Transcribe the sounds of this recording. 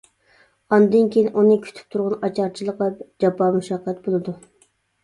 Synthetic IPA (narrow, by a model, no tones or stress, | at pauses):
ɑnd̪ɨnkʲʰejinʔunɨkʲʰy̥t̪ʰy̥p̚t̪ʰuɾʁʊnɑt͡ʃʰɑɾt͡ʃʰilˠəqlɛp̚d͡ʒɑpːɑmuʃɑqːɛt̪̚bolˠɨd̪u